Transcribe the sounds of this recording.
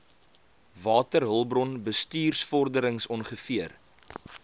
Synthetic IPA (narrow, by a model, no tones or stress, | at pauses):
vɑːtərɦəlˠbrɔnbəstyːrsfɔrdəɾəŋsɔnχəfiər